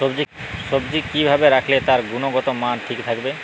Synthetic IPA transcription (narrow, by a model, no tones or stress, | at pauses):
obd͡ʑi | ʃobd͡ʑikibʱabeɾakʰlet̪aɾɡunoɡɔt̪omanʈʰikt̪ʰakbe